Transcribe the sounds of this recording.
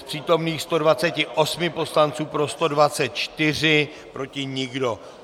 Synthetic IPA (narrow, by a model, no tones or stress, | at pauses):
pr̥iːt̪o̞mniːxst̪o̞dvat͡sɛcɪʔosmɪpo̞slant͡suːpɾo̞st̪o̞dvat͡sɛt̪̚t͡ʃt̪ɪr̝ɪ | pɾo̞cɪɲɪɡdo̞